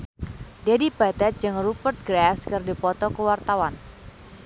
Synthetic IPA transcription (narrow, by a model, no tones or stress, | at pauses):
diadipat̪ɛt̪̚d͡ʒɨŋrupərt̪̚ɡɾafskərdipɔt̪ɔkəwart̪awan